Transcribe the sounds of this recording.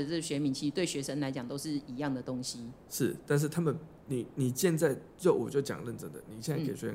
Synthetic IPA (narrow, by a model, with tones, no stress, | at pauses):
ə˩t͡sə˥˩ɡɕɥɛ˧˥mi˧˥nt͡ɕʰi˧t̪we˥˩ɪɕɥɛ˧˥ʂə˥ŋla˧ɪt͡ɕjɑ˨˩ŋt̪o˥ʊʂɻ̩˥˩i˧˥jɑ˥˨ŋd̪ə˩t̪o˦˥ŋɕi˧˥ | ʂɻ̩˥˩t̪a˥˧n̬̩˥˩t̪ʰa˥mə˨n | ni˨˩ni˨˩ɕjɛ˥˧nt͡sa˥˧ɪ | ɻʊwɔ˨˩t͡ɕjo˥˩ʊt͡ɕjɑ̰˨ŋlə˥˧nt͡sə̰˥˩ŋd̪ə̰˨ni˨˩ɕjɛ˥˧na˧˥ke˨˩ɪɥɛ˧˥˧